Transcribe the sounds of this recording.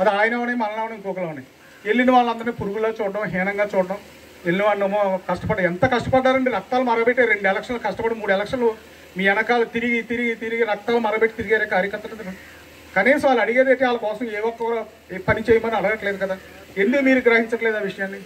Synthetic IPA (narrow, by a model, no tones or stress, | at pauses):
ɐd̪iaːjɐnɐʋɐneːmɐlɐnɐʋɐnɐkuːkɐlɐːunɐj | elːiniʋaːɭːɐnd̪ɐɾneːpuɾuɡuloːt͡ʃuːɽɐɖɐmɦɛːnɐŋɡaːt͡ʃuːɽɐɽɐm | elːiniʋaːɭːɐmoːkɐʂʈɐpɐɖaɐɛnt̪ɐkɐʂʈɐpɐɖːaːɾɐɳɖiɾɐk̚t̪aːlumɐɾɐbeʈːeɾeɳɖɛlɐkʂɐnlukɐʂʈɐpɐɽumuːɽuɛlɐkʂɐnlu | miːɐnɐkaːlɐt̪iɾiɡit̪iɾiɡit̪iɾiɡiɾɐk̚t̪aːlumɐɾɐbeʈːe̥t̪iɾiɡaːɾekaːɾjɐkɐɾt̪ːɐlɐnd̪ikɐ | kɐniːsɐmaːɭːɐɽiɡeːd̪eːʈeaːlɐkɔːsɐmeːʋɔkːɐkɐ | pɐnit͡ʃeːjɐmbɐːɐɽɐɡɐʈleːd̪ukɐd̪aː | end̪umiːɾuɡɾɐɦiɲt͡ʃɐʈleːd̪aːʋiʂɐjaːnːi